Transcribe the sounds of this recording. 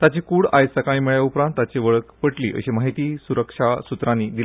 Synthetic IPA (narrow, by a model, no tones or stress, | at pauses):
t̪at͡ɕikuːɽajsəkaɽ̃imeɭjaupɾãnt̪ːat͡ɕeʋəɭəkpəʈlḭʔə̰ɕemaɦit̪iːsuɾəkʂasut̪ɾãniːd̪ile